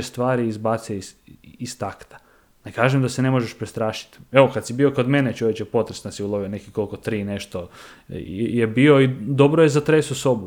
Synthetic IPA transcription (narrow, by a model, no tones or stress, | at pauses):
est̪ʋaːɾiizbat̪siisist̪akt̪ḁ | nekaːʒemd̪asene̞mo̞ʒeʃpɾest̪ɾaːʃi̥t̪eʋokad̪sibio̞ko̞d̪menet͡ʃoʋjet͡ʃjepo̞t̪ɾesnd̪siulˠoʋionekiko̞lkot̪ɾiːneʃt̪o | jebio̞id̪o̞bɾojezat̪ɾesuso̞bu